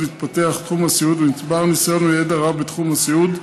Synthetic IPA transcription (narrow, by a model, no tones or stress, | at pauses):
iit̪̚pat̪eaχt̪χumhasiud̪venit̪baʁnisoʁnujed̪aʁavbet̪χumhasiud̪